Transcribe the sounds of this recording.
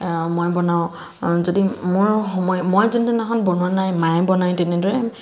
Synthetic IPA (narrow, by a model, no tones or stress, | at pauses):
mojbɔnaʊ̃ | zodimʊɹɦɔmɔjmojzɔntunaxɔnbɔnuwanajmajbɔnajtɛnɛdɔɹɛ